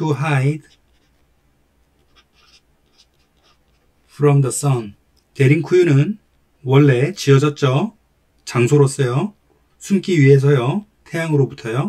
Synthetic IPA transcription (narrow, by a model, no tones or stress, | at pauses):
uɦajd | pʰɾʌmdʌs͈ʌn | te̞ɾinkʰujunɯn | wʌɭːe̞t͡ɕiʌd͡ʑʌt̚t͡ɕ͈ʌ | t͡ɕaŋsʰoɾos͈ʌjʌ | sʰumk͈iɥiɦe̞s̬ʰʌjʌtʰejaŋɯɾobutʰʌjo